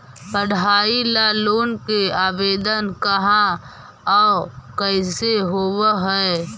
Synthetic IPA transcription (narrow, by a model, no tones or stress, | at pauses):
pəɽ̤aːilaːloːnkeaːʋeːd̪ənkəɦã | aːkəɪseɦoːwəɦɛ